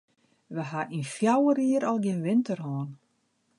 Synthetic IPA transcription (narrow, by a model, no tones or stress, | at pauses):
ʋəɦaʔinfjawəriəɾɔlˠɡjɪnʋɪntərhɔːn